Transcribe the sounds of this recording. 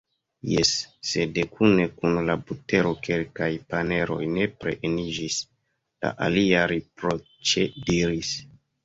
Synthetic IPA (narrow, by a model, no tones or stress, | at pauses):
jesːe̞de̞kʰune̞kunlabute̞ɾo̞ke̞lkajpane̞ɾo̞̰jne̞pɾe̞̰ʔenid͡ʒis | la̰ʔa̰liaɾipɾo | t͡ʃediɾis